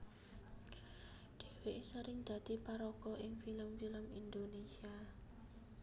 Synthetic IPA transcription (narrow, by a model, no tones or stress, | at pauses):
ɖ̪̥e̤weʔsəɾɪŋd̪̥ä̤d̪̥ipaɾɔkɔʔɪŋfiləmfiləmind̪onesia